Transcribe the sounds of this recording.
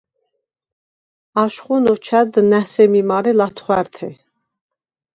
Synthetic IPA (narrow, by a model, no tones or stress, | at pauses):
aʃχunɔt͡ʃʰæd̪næsɛmimaɾɛlat̪ʰχwæɾt̪ʰɛ